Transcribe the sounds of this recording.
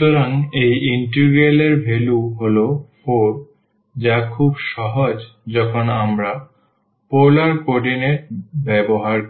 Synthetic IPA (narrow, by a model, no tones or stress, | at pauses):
t̪oɾaŋejiɳʈiɾɡeleɾbʱeluɦolofoɾ | d͡ʑakʰubʃɔɦod͡ʑd͡ʑɔkʰonamɾa | polaɾkoɾɖineɾʈbɛboɦaɾ